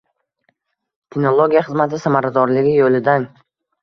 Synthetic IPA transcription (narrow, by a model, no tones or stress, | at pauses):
t̪ʰenolˠoɡʲijaχɨzmat̪ʰɪsamaɾad̪ɒɾlɪɡʲɪjolɪd̪an